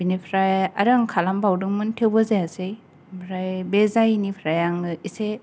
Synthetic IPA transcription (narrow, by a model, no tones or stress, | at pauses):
binepʰɾajaɾaŋkʰalambawdɯŋmɯntʰewbazeasej | pʰɾajbezajnipʰɾajaŋise